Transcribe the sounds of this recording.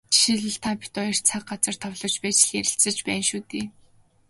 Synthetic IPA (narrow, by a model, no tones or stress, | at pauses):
ʃiɮɘ̆ɮt̪ʰapʲi̥t̪ɔjɪ̆r̥t͡sʰak̚ɢat͡sə̆r̥t̪ʰɔwɮɞ̆wt͡ɕpæːt͡ɕ̆ɮjæɾʲɪ̆ɬt͡sə̆t͡ɕpæːnʃuːt̪eː